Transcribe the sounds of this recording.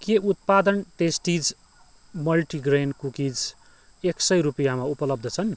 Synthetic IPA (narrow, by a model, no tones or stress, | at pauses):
keut̪̚pad̪ʌnʈesʈid͡z | mʌlʈiɡrenkukid͡z | eksʌjɾupijamaupʌlʌb̚d̪ʱʌt͡sʰʌn